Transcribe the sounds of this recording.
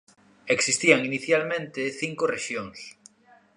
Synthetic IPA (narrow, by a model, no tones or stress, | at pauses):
eksist̪iaŋiniθjalmẽnt̪eθiŋkoreʃjoŋs